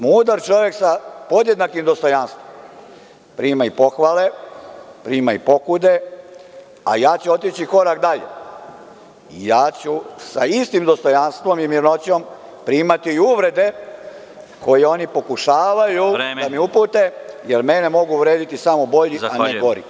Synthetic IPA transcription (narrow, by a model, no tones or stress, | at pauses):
muːd̪aɾt͡ʃo̞ʋe̞ksapo̞d̪je̞d̪nakimd̪o̞st̪o̞janst̪ʋom | pɾiːmaipo̞xʋaːle̞ | pɾiːmaipo̞kud̪e̞ | a̰jaːt͡ɕuo̞t̪it͡ɕiko̞ɾak̚d̪aʎḛ | ijaːt͡ɕusaist̪imd̪o̞st̪o̞janst̪ʋo̞mimiɾno̞t͡ɕo̞m | pɾiːmat̪iːuʋɾe̞d̪e̞ | ko̞jeo̞ːnipo̞kuʃaːʋajud̪amiupuːt̪ejeɾmenemo̞ɡuʋɾe̞ːd̪it̪isamobo̞ʎianeɡo̞ɾḭ